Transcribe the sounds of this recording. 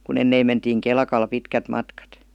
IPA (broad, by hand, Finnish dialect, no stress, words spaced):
kun enːeim mentiːŋ kelkɑl pitkæt mɑtkɑt